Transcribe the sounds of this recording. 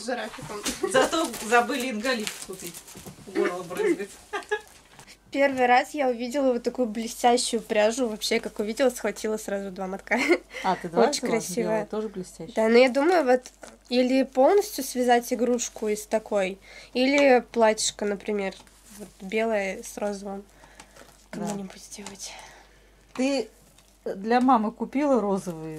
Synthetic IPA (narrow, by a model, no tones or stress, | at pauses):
ʐɨɾafʲɪt̪əmzɐt̪ozɐbɨlʲɪɪnɡɐlʲit̪kʊt̪ɨɡolˠəbrɨbʲɪt̪ | fpʲe̞rvɨjɾasjaʊvʲidʲɪlˠəvot̪ːɐkujʊblʲɪsʲtʲæɕːʊjʊpɾʲaʐʊvɐpɕːekakʊvʲidʲɪlˠəsxvɐtʲilˠəsɾazʊd̪vamɐt̪kaat̪ɨd̪ot͡ɕɪɲʲkɾɐsʲivəjət̪oʐəblʲɪsʲtʲæd̪anojad̪uməjʊvo̞t̪ | ilʲɪpo̞lˠnəsʲtʲjʊsvʲɪzatʲɪɡɾuʂkʊɪst̪ɐko̞jilʲɪplˠatʲɪ̥ʂkənəpɾʲɪmʲe̞r | vo̞t̪bʲe̞lˠəjəsro̞zəvəm | kɐmunʲɪbut̪ʲdʲe̞lˠətʲ | t̪ɨ | d̪lʲɐmamɨkʊpʲilˠəɾozəvɨjə